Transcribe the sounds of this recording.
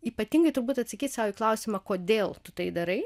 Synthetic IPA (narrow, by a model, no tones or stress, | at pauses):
iːpɐt̪ʲiŋɡɐɪt̪ʊɾbuːt̪ɐt̪sɐkʲiːt̪ʲsɑːʋiːklˠɐʊsʲɪmɐkoːd̪ʲeːlˠt̪ʊt̪ɐɪd̪ɐɾɐɪ